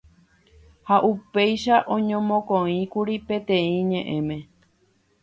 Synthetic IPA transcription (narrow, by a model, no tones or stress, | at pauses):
haʔupejʃaʔõ̞ɲõmõkõĩkuɾipẽ̞t̪ẽ̞ĩɲẽ̞ʔẽ̞mẽ̞